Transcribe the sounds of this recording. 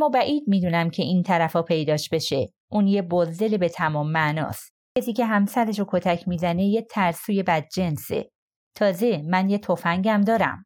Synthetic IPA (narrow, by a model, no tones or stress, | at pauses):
æmːɒːbæʔiːd̪̚miːd̪uːnæmcʰe̞int̪ʰæɾæfɒːpʰe̞jd̪ɒːʃbe̞ʃe̞ | ʔuːnjebozd̪e̞lebe̞t̪ʰæmɒːmːæʔnɒ̰ːst̪ | cʰesiːcʰe̞ɦæmsæɾeʃokʰot̪ʰæcʰmiːzæne̞jet̪ʰæɾsuːje̞bæd̪̚d͡ʒe̞nsḛ | t̪ʰɒːze̞mænjet̪ʰo̞fæŋɟæmd̪ɒːɾæ̰m